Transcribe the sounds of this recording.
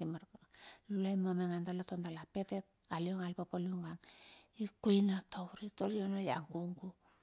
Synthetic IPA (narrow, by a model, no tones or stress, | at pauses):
imaɾkalulajmameŋandalatondalape̞tet̚alioŋalpapaluŋɡaŋikojnatawɾitoɾionaja̰ŋɡuŋɡu